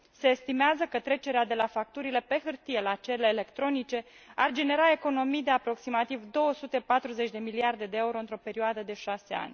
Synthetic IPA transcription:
se̞ːst̪imeazəkət̪ɾe̞t͡ʃe̞ɾead̪e̞lafak̚t̪uɾile̞pe̞xɨrt̪ije̞lat͡ʃe̞ɾeleːle̞kt̪ɾo̞nit͡ʃe̞ard͡ʒe̞ne̞ɾae̞ko̞no̞mijd̪e̞apɾo̞ksimat̪ivd̪o̞wəsut̪e̞pat̪ɾuze̞t͡ʃʲd̪e̞miliard̪e̞d̪e̞euɾo̞ɨnt̪ɾo̞pe̞ɾioad̪əd̪e̞ʃase̞a̰nʲ

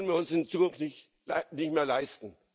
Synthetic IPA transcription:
lən̩viːɐʊnsɪnt͡suːkʊnftnɪ | nɪçtmeːɐlaɪstn̩

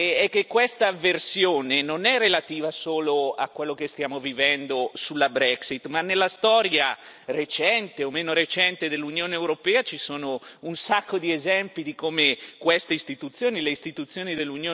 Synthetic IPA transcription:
ɛkːekːwest̪aversjoːnenonɛrːelat̪iːvasoːloa̰kwelːokest̪jaːmovivɛnd̪osulːabɾɛksit̪manːelːast̪ɔːɾja | ret͡ʃɛnt̪eomeːnoɾet͡ʃɛnt̪ed̪elːunjoːneːwɾopɛːat͡ʃisoːnounsakːod̪iezɛmpid̪ikoːmekwest̪eist̪it̪ut̪sːjoːnileist̪it̪ut̪sːjoːnid̪elːunjoː

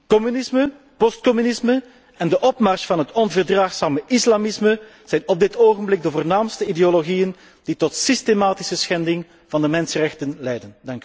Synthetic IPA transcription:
kɔmynɪsmə | pɔst̚kɔmynɪsmə | ɛndəʔɔpmɑrsfɑnɦətɔnvərdraːxsaːməʔɪslamɪsmə | z̥ɛjnɔb̚dɪtʰoːɣənblɪɡ̚dəvoːrnaːmstəideoloɣijən | d̥itɔtsistemaːtɪ̥səsxɛndɪŋ | vɑndəmɛnsərɛxtənlɛjdəndɑŋky

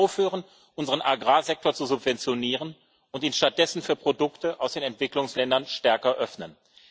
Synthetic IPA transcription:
ʊfhyːʁən | ʔʊnzəʁənʔaɡʁaːzɛk̚toːɐt͡suzʊpv̥ɛnt͡sjoniːʁən | ʊntiːnʃtat̚d̥ɛsn̩fyːɐpʁ̥odʊktəʔaʊsd̥eːnɛntv̥ɪklʊŋslɛndɐnʃtɛɐkɐʔœfnən

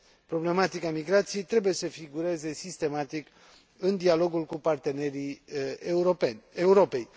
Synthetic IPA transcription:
pɾo̞ble̞mat̪ikamiɡɾat̪sije̞jt̪ɾe̞buje̞səfiɡuɾe̞ze̞sist̪e̞mat̪ik | ɨnd̪ialo̞ɡulkupart̪e̞ne̞ɾi | upenʲeuɾope̞j

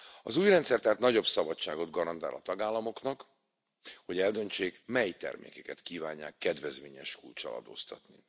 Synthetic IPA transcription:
ɒzuːjrɛnt̪sɛrt̪aːt̪nɒɟo̞bsɒbɒt͡ʃt͡ʃːaːɡo̞d̪ɡɒɾɒnt̪aːlɒt̪ɒɡaːlːɒmo̞knɒk | ho̞ɟɛld̪ø̞nt͡ʃeːkmɛjt̪ɛ̰rmḛːkɛkɛt̪kiːvaːɲːa̰ːkːɛd̪vɛzmeːɲɛʃkult͡ʃɒ̰lɒ̰d̪o̰ːst̪ɒt̪ni

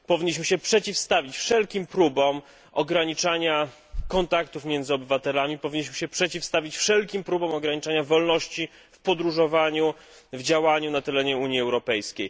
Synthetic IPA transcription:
pɔvʲiɲːiɕ̬mɘɕɛpʂɛt͡ɕifst̪avʲit͡ɕfʂɛlkʲimpɾubɔm | ɔɡɾaɲit͡ʂaɲa | kɔnt̪akt̪ufmʲjɛnd̪zɨɔbɘvat̪ɛlamʲipɔvʲiɲːiɕmɘɕɛpʂɛt͡ɕifst̪avʲit͡ɕfʂɛlkʲimpɾubɔmɔɡɾaɲit͡ʂaɲavɔlnɔɕt͡ɕi | fpɔd̪ɾuʐɔvaɲu | vd͡ʑawaɲunat̪ɛlɛɲɛuɲiɛwɾɔpɛjskʲej

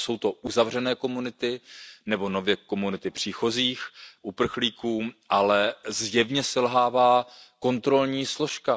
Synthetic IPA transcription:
so̞wt̪o̞ʔuzavr̝ɛnɛːko̞munɪt̪ɪnɛbo̞no̞vjɛko̞munɪt̪ɪpr̝̥iːxo̞ziːxʔupr̩xliːkuːʔalɛzjɛvɲɛsɛlɦaːvaːko̞nt̪ɾo̞lɲiːslo̞ʃka

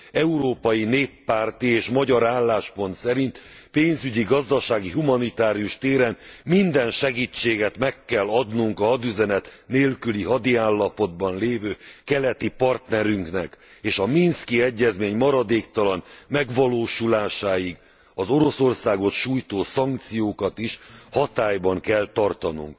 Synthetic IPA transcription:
ɛuɾoːpɒjineːpːaːrt̪ieːʃmɒɟɒɾaːlːaːʃpo̞nt̪sɛɾint̪ | peːnzyɟiɡɒzd̪ɒʃaːɡiɦumɒnit̪aːɾijuʃt̪eːɾɛnmind̪ɛnʃɛɡiːt͡ʃːeːɡɛt̪mɛkːɛlːɒd̪nuŋkɒɒd̪yzɛnɛt̪neːlkyliɦɒd̪iaːlːɒpo̞d̪̚bɒnleːvøːkɛlɛt̪ipɒrt̪nɛɾyŋknɛkeːʃɒminskiɛɟːɛzmeːɲmɒɾɒd̪eːkt̪ɒlɒnmɛɡʋɒloːʃulaːʃaːjiɡ | ɒzo̞ɾo̞so̞rsaːɡo̞t̪ʃuːjt̪oːsɒŋk̚t̪sijoːkɒt̪iʃhɒt̪aːjbɒŋkɛlt̪ɒrt̪ɒnṵŋk

